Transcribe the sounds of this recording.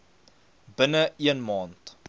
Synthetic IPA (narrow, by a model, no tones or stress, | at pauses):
bənəiənmɑːnt